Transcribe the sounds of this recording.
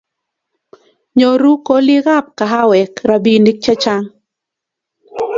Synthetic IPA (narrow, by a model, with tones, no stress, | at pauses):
ɲo˨ɾu˦ko˦lɪ˦ɣa˦p̚ka˨ɦa˦wɛ˨kɾa˨bi˨ndi˦k̚t͡ʃa˦t͡ʃa˦ŋ